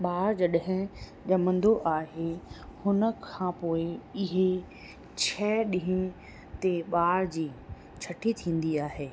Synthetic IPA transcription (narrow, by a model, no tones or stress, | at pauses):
ɓaːɾd͡ʑɐɗɦɪ̃ | d͡ʑɐmə̃nd̪oʔaːɦehʊnə̆kʰãpoːɪɪɦe | t͡ɕʰɛːɗĩɦĩ | t̪eɓaːɾd͡ʑiː | t͡ɕʰɐʈit̪ʰĩːn̆d̪iaːɦeː